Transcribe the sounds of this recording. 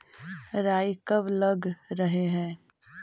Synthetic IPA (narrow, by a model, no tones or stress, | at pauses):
ɾaːikɐblɐɡɾɐɦeɦɛ̃ː